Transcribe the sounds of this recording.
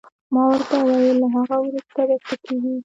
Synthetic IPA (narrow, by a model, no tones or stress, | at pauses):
mɑwəɾt̪awɑjilaɦaɣawɾust̪aɾat̪akʰeɡi